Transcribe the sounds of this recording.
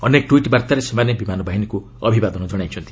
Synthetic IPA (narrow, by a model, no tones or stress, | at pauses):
ʌnek̚ʈuiʈbaɾt̪aɾesɔmanjebimanɔbaɦiniku | ʌbʱibad̪ɔnɔd͡ʒʌɽajt͡ʃʰʌnt̪i̥